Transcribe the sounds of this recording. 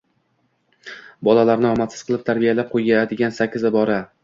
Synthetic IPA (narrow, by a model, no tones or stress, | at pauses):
bɒlalaɾnɪɒmat̪sɪzqɨlˠɪp̚t̪ʰaɾbijalap̚qʰojɡʲaad̪ɪɡʲansakʲʰːɪzɪbɒɾa